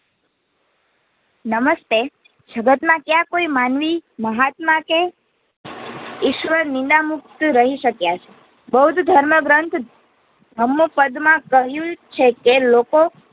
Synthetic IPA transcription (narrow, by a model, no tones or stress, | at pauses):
nəməst̪e | d͡ʒəɡət̪mãkjãkoimanʋiməɦat̪mãke | ɪʃʋəɾnɪ̃nd̪amuk̚t̪ɾəɦiʃəkjat͡ʃʰe̥ | bəɦud̪ʱd̪ʱəɾməɡɾənt̪ʰ | ɦəmːopəd̪mãkəɦjũt͡ʃʰekeloko